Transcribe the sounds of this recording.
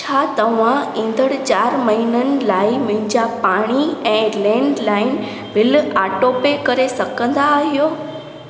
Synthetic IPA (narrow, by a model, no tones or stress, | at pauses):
t͡ɕʰaːt̪ɐʋãĩːn̆d̪ʱəɽ̃t͡ɕaːɾmɐɦinənɪ̆laːɪmʊ̃ɦɪ̃ɲd͡ʑapaːɽ̃iɛ̃ːlɛ̃ːɳɖlaːɪn | ʋɪlaːʈoːpekɐɾesɐɡə̃nd̪aːɦijoː